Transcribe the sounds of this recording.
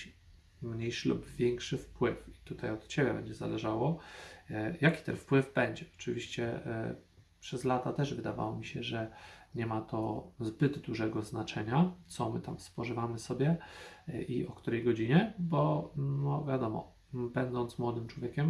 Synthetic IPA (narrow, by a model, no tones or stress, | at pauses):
mɲejʂɘlṵbvʲjeŋkʂɘfpwɘfi̥t̪ut̪ajɔt̪t͡ɕebʲɛbɛ̰ɲd͡ʑɛza̰lɛʐawɔ | jakʲi̥t̪ɛnfpwɘvbɛɲd͡ʑɛɔ̥t͡ʂɘvʲiɕt͡ɕɛ̰ | pʂɛzlat̪at̪ɛʐvɘd̪ava̰wɔmʲiɕɛʐɛɲɛmat̪ʰɔzbɘd̪d̪uʐɛɡɔznat͡ʂɛɲat̪sɔmɘt̪amspɔʐɘvamɘsɔbʲjɛ | ʔiɔkt̪uɾɛjɡɔd͡ʑiɲɛbɔnɔvʲjad̪ɔmɔ̰ | bɛnd̪ɔnt̪smwɔd̪ɘmt͡ʂwɔvʲjekʲɛm